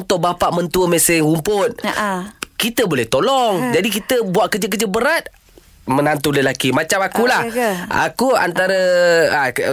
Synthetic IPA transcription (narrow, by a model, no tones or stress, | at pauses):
nt̪ʊʔbapaʔmənt̪uəmesɛhumpʊt̪̚ | kit̪əbolɛht̪olɔŋd͡ʒadikit̪əbuaʔ̚kəd͡ʒəkəd͡ʒəbəɾat̪̚ | mənant̪uləlakimat͡ʃamakulaha̰kua̰nt̪aɾəa